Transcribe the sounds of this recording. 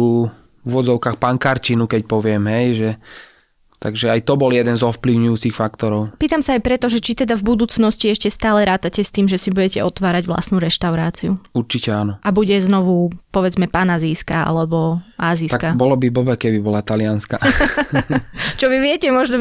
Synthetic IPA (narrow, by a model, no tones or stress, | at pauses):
u | uʋɔd͡zɔʊkaːxpaŋkaɾt͡ʃinukɛcpɔʋɪɛmɦɛjʒɛ | t̪aɡʒɛajt̪ɔbɔljɛd̪ɛnzɔfpliʊɲujuːt͡sixfakt̪ɔɾɔʊpiːt̪amsaːjpɾɛt̪ɔʒɛt͡ʃit̪ɛd̪avbud̪uːt͡snɔsciɛʃcɛst̪aːlɛɾaːt̪acɛst̪iːmʒɛsibuɟɛcɛʔɔt̪ʋaːɾaɟʋla̰st̪nuɾɛʃt̪aʊɾaːt͡siuuɾt͡ʃicɛanɔʔabuɟɛznɔʋupɔʋɛd͡zmɛpanaziːskaa̰lɛbɔʔaːzist̪akabɔlɔbibɔbɛkɛbibɔlat̪alɪanska | t͡ʃɔʋiʋɪɛcɛmɔʒnɔ